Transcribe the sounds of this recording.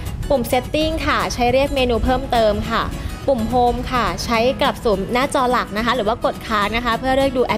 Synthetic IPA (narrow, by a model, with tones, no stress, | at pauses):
pu˨˩mse˦˥t̪ːi˥˩ŋkʰa˥˩t͡ɕʰa˦˥jɾi˥˩ək̚meː˧nuː˧pʰɤː˥˩mt̪ɤː˧mkʰa˥˩pu˨˩mɦoː˧mkʰa˥˩t͡ɕʰa˦˥jkla˨˩p̚suː˩˦mnaː˥˩t͡ɕɔː˧la˨˩k̚na˦˥kʰa˦˥ɾɯː˩˦waː˥˩ko˨˩t̪̚kʰaː˦˥k̚na˦˥kʰa˦˥pʰɯ˥˩əɾɯ˥˩ək̚duː˧ʔɛ˦˥